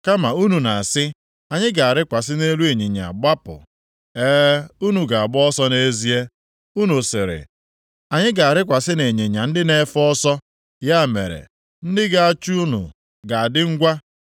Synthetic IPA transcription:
ka˦ma˨u˦nu˨na˨sɪ˦ | a˨ɲɪ˦ɡa˨a˨ɾɪ˦kʷa˨sɪ˦ne˦lu˦e˨ɲi˨ɲa̰˨ɡ͡ba˦pʊ̰˨ | eː˦u˦nu˨ɡa˨a˨ɡ͡bɔ˦ɔ˦sɔ˦ne˦zi˦e˦ | u˦nu˨sɪ˨ɾɪ̰˨ | a˨ɲɪ˦ɡa˨a˨ɾɪ˦kʷa˨sɪ˦ne˨ɲe˨ɲa˨n̩˦dɪ˦ne˦fɔ˦sɔ˦ | ja˦˨mḛ˨ɾḛ˨ | n̩˦dɪ˦ɡa˨a˨t͡ʃu˦u˦nṵ˨ | ɡa˨a˨dɪ˦ŋ̩˦ɡʷa˦

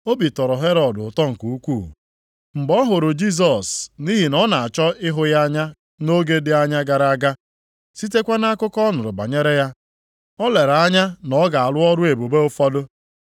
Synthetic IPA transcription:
o˦bi˨tɔ˨ɾɔ˨ɦe˦ɾɔ˨dʊ˨tɔ˦ŋ̩˨ku˨u˦kʷu˦˨ | m̩˨bɔ˦ɦʊ˨ɾʊ˨d͡ʒi˦s̬ɔ˨sni˦ɦi˨nɔ˦na˨a˨t͡ʃɔ˦ɪ˦ɦʊ˦ja˦ɲa˦ | no˦ɡe˦dɪ˦a˦ɲa˦ɡa˨ɾa˦ɡa˦ | si˦te˦kʷa˦na˦kʊ˦kɔ˦nʊ˨ɾʊ˨ba̰˨ɲe˦ɾe˦ja˦ | ɔ˦le˨ɾa˦ɲa˦nɔ˦ɡa˨a˨lʊ˦ɔ˦ɾʊ˦e˨bu˨be˦ʊ˦fɔ˦dʊ˦

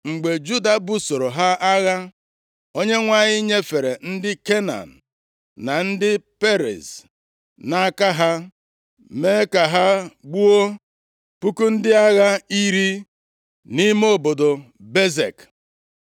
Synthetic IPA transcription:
ŋ͡m̩˨ɡ͡be˨d͡ʒu˦da˨bu˦so˨ɾo˨ɦa˦ʔa˦ɣa˦ | o˦ɲe˦ŋʷa˦˨ɲɪ˦ɲe˦fe˨ɾe˨n̩˦dɪ˦ke˦na̰˨n̩˨ | na˨n̩˦dɪ˦pe˦ɾḛ˨z | na˦ka˦ɦa˦ | me˦ka˨ɦa˦ɡ͡bu˦o˦ | pu˦ku˦n̩˦dɪ˦a˦ɣa˦i˦ɾi˦ | ni˦mo˦˨bo˨do˨ | be˦zḛ˨k

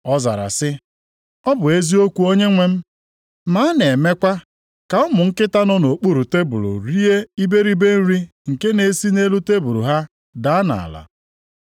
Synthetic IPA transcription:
ɔ˦za̰˨ɾa̰˨sɪ˦ | ɔ˦bʊ˨e˦zi˦o˦kʷu˨o˦ɲe˦ŋʷe˦m̩˦ | ma˨˦ne˨me˦kʷa˦ | ka˨ɔ˦mʊ˨ŋ̩˦kɪ˦ta˦nɔ˦no˨k͡pu˦ɾu˨te˦bṵ˨ɾṵ˨ɾi˦e˦i˦be˦ɾi˦be˦n̩˦ɾi˦ | ŋ̩˨ke˦ne˨si˦ne˦lu˦te˦bu˨ɾṵ˨ɦa˦ | da˨˦na̰˨a̰˨la̰˨

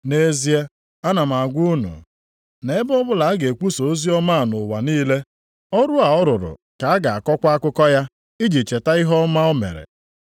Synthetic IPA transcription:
ne˨zi˦e˦ | a˦na˨m̩˨a˨ɡʷu˦u˦nṵ˨ | ne˨˦bɔ˦bʊ˦la˨a˦ɡe˨kʷu˦so˨o˦zi˦ɔ˦ma˦˨nʊ˨wa˨niː˦le˦ | ɔ˦ɾʊ˦a˨ɔ˦ɾʊ˨ɾʊ̰˨ | ka˨a˦ɡa˨a˨kɔ˦kʷa˦a˦kʊ˦kɔ˦ja˦ | i˦d͡ʒi˨t͡ʃe˨ta˦ɪ˦ɦɔ˦ma˦o˦mḛ˨ɾḛ˨

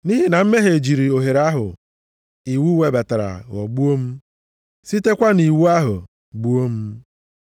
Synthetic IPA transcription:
ni˦ɦi˦na˨m̩˦me˦ɦe˨d͡ʒi˨ɾi˨o˨ɦe˨ɾa˦ɦʊ̰˨ | i˨wu˦we˨˦ba˨ta˨ɾa̰˨ɣɔ̰˨ɡ͡bu˦o˦m̩˦ | si˦te˦kʷa˦ni˨wu˦a˦ɦʊ̰˨ | ɡ͡bu˦o˦m̩˦

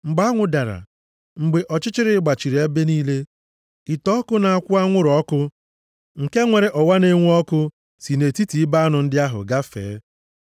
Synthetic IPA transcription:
ŋ͡m̩˨ɡ͡ba˦ŋʷʊ˨da˨ɾa̰˨ | ŋ͡m̩˨ɡ͡be˨ʔɔ˨t͡ʃɪ˦t͡ʃɪ˦ɾɪ˦ɡ͡ba˨t͡ʃi˨ɾe˦be˦niː˦le˦ | i˨tɔ˦kʊ˦na˨a˦˨kʷʊ˦a˦ŋʷʊ˦ɾɔ˦kʊ˦ | ŋ̩˨ke˦ŋʷe˨ɾe˨ʔɔ˨wa˦ne˦ŋʷu˦ɔ˦kʊ˦ | si˨ne˨ti˦ti˨i˦ba˦nʊ˨n̩˦dɪ˦a˦ɦʊ̰˨ɡa˦fḛː˨˦

